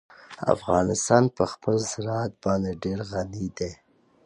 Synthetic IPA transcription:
a̰fɣɑnɪst̪ɑnpəxpəlzɪɾɑat̪̚bɑnd̪eɖeɾɣanid̪e

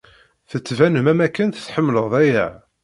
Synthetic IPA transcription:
θət͡sːvænəmæmækːənθθħəmːləʁðˤæjə̰ʕ

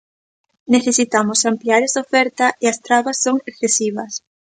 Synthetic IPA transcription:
neθesit̪amʊsampliaɾesofɛɾt̪ɐʔeɐst̪ɾaβɐsːoŋekθesiβɐs

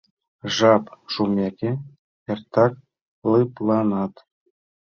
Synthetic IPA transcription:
ʐɑpʐumʲekʲĕ | ert̪ɑk̚ | lɯplˠɑnɑt̪

